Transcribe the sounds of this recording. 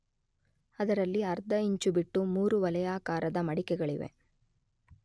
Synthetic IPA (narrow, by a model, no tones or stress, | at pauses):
ɐd̪ɐɾɐlːiɐɾd̪ʱɐiɲt͡ʃubiʈːumuːɾuʋɐlɐjaːkaːɾɐd̪ɐmɐɽikɛɡɐɭiʋḛ